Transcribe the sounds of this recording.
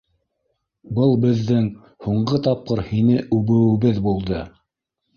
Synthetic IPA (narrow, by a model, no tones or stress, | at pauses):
bɤlˠbɘ̆ðːɘŋ | huɴɢɤt̪ɑp̚qɤɾhinɘʔʉβɘ̆wɘ̆βɘðbulˠd̪ɤ